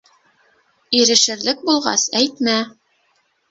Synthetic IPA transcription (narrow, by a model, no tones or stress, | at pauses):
iɾɘ̆ʃɘ̆ɾlɘk̚bulˠʁɑ̰sæjt̪mæ